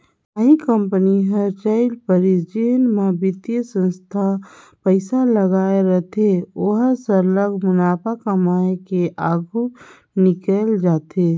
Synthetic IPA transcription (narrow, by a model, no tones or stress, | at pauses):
əɦikəmpəniɦət͡ʃəɪlpəɾid͡ʒenmebit̪jəsə̃nst̪ʰa | pəɪsaləɡaːeɾəɦt̪ʰeoɦsələɡmʊnaːpʰakəmaːekeʔaɡʱu | nikəld͡ʒaːt̪e